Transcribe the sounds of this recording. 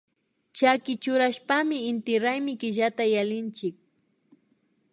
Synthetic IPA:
t͡ʃakɪt͡ʃʊɾaʃpamɪɪnt̪ɪɾajmɪkɪʒat̪ajalɪnt͡ʃɪk̚

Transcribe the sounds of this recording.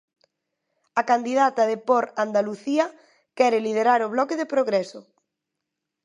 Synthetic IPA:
akand̪iðat̪ɐðepɔɾand̪aluθiɐ | kɛɾɪlið̞eɾaɾʊβlɔkeðepɾoɣɾɛsʊ

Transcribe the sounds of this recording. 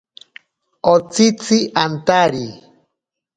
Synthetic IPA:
ot͡sit͡siʔant̪aɾi

